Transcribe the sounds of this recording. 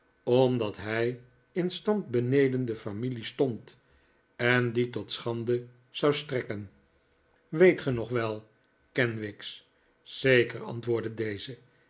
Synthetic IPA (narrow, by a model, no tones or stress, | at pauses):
ɔmdɑtɦɛj | ɪnstɑnt̚bənejdəndəfamilistɔnt | ɛnditɔtsχɑndə | z̥ɑwstrɛkən | ʋejtχənɔχʋɛlˠ | kɛnʋɪks | z̥ejkəɹɑ̰ntʋʊːɹdədejzə